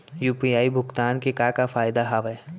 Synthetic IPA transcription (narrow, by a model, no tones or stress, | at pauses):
juːpijaːibʱʊkt̪aːnkekakafaːɪd̪aɦaːʋɛ